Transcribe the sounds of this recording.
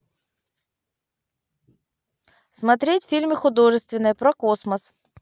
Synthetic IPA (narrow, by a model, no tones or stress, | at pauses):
smɐt̪ɾʲetʲfʲilʲmʲɨxʊd̪o̞ʐɨst̪vʲɪnːɨjəpɾɐkosməs